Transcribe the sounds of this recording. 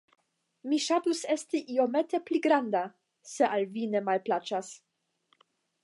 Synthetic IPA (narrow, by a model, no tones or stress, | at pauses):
miʃatuse̞stiʔio̞me̞te̞pliɡɾanda | se̞ʔalvine̞malplat͡ʃas